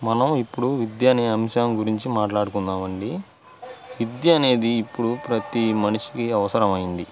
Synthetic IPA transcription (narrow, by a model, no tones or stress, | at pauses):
mɐnɐmipːuɽuʋid̪jaːniɐmʂaːmɡuɾiɲt͡ʃimaːʈlaːɽukunːaːmɐɳɖi | ʋid̪jɐɐne̞ːd̪iːpːuɽupɾɐt̪imɐniʂi̥kiɐʋɐsɐɾɐmɐjind̪i